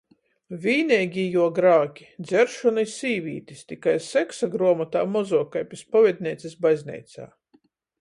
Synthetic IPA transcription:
vʲiːnʲɛːɡʲijuɔɡɾaːkʲi̥d̪zɛɾʃɔnijsiːvʲiːt̪ist̪ʲikajsɛksaɡɾɔɔmat̪a̰ːmɔzɔːkajpʲispɔvʲɛd̪̚ʲnʲiɛt̪sʲisbazʲnʲɛ̰jt̪sa̰ː

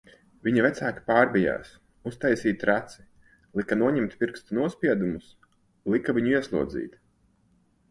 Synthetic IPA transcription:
vʲiɲavæt̪sæːki̥paːɾbija̰ːs | ust̪ajsiːt̪ɾat̪si̥ | lˠikanuɔɲɛmt̪pʲiɾkst̪unuɔspʲiɛd̪umus | lˠikaviɲuiɛslˠṵɔd̪zḭːt̪

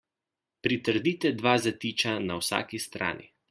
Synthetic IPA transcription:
pɾit̪əɾd̪iːt̪ɛd̪ʋaːzat̪iːt͡ʃanawsa̰ːkist̪ɾʔa̰ːnʔḭ

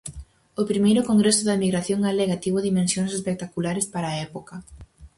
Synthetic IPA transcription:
ʊpɾimejɾʊkoŋɡɾesʊðɐemiɣɾaθjoŋaleɣat̪iβʊðimẽnsjoŋsespek̚t̪akulaɾɪspaɾaːɛpokɐ

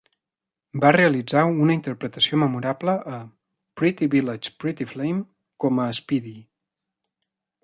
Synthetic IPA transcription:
bareəlid͡zawunəint̪əɾpɾət̪əsioməmuɾabləʔː | pɾit̪iβilət͡ʃpɾit̪iflejm | kɔməːspiði

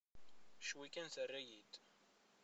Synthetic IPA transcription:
ʃwikːænθərːæjit̪

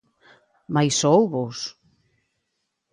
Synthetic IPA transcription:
majsowβos

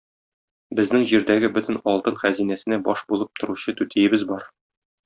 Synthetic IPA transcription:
bɘ̆znɘŋʑiɾd̪æɡɘbɵ̆t̪ɘ̆nɒlˠt̪ɤnχæzinæsɘ̆næbɒʃbulˠɤp̚t̪ŏɾuɕɤt̪ʉt̪ijɘ̆bɘzbɒɾ

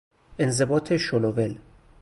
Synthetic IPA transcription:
ʔenzebɒːt̪ʰe̞ʃolovel

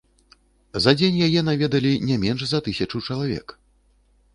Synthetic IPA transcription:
zɐd͡zʲenʲjajɛnavʲɛd̪ɐlʲinʲamʲɛnʂzɐt̪ɨsʲɐt͡ʂɐwt͡ʂɐlˠavʲɛ̰k

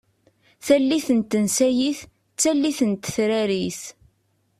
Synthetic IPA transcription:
θælːiθənt̪ːənsæjiθ | t͡sːælːiθənt̪θɾæɾiθ

